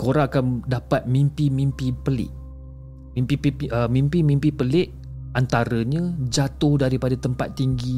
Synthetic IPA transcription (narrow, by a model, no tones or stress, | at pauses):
koɾãakandapat̪̚mĩmpimĩmpipəlɪ̰ʔ | mĩmpipiəmĩmpimĩmpipəlɪʔ | ʔant̪aɾəɲə̃d͡ʒat̪ʊhdaɾipadat̪əmpat̪ːiŋɡi